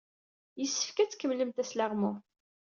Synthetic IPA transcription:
jəsːə̥fkæt͡sːkːəmləmt̪æslaʁmʊ

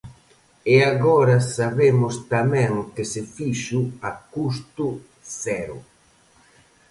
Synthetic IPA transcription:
eaɣɔɾasaβemʊst̪amɛ̃ŋut̪ɪsɪfiʃʊakust̪ʊ | θɛɾʊ̰

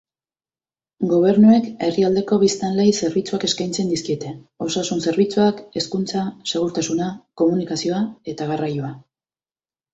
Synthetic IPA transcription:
ɡo̞β̞e̞ɾnue̞ke̞riald̪e̞ko̞βist̪anle̞jse̞ɾβit͡suake̞skajnt͡se̞nd̪iskie̞t̪e̞ | o̞sasunse̞ɾβit͡suake̞skunt͡sase̞ɣuɾt̪asunako̞munikasio̞ae̞t̪aɣarajoa

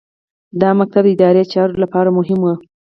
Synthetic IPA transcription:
d̪ɑmak̚t̪ab̚d̪əɪd̪ɑɾeət͡ʃɑɾolapɑɾamʊɦɪmwo

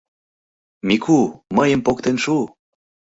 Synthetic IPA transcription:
mikʰuməjəmpok̚t̪enʃu

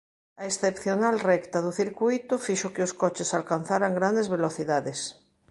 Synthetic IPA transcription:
aesθepθjonalrɛkt̪aðuθiɾkujt̪ufiʃokeoskot͡ʃesalkanθaɾaŋɡɾand̪ezβeloθiðaðes

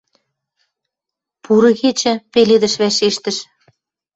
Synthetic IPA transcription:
puɾɤ̆ɣet͡ɕɘ̆peled̪ə̆ʃβæʃeʃt̪ə̆ʃ

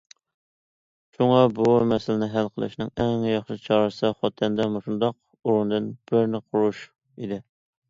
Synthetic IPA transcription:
ʃuŋɑbumɛsɪlɪnɪɦælqʰəlˠɨ̰ʃnɨŋɛŋjɑχʃɪt͡ʃʰɑɾɨsɨχɑt̪ʰɛnd̪ɛmoʃund̪ɑq | uɾund̪ɨnb̥ɪɾnɪqʰʊɾuʃ | id̪ɪ

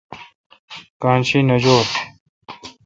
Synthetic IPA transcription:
kaːnɕinɐd͡ʑoː

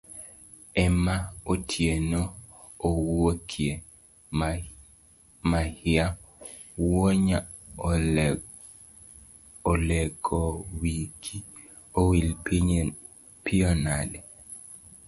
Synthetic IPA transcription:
ɛmaotʰjenoː | wokʰje | mahɪja | woɲa | olɛɡɔwiki | owilpi | piɔnalɛ

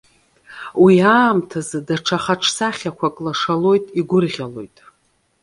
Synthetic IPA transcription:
wiaːmtʰazɨdaʈ͡ʂʰaχaʈ͡ʂʰsaχʲakʷʰakʼlaʂalo̞jtʼiɡʷʊrʁʲalo̞jtʼ

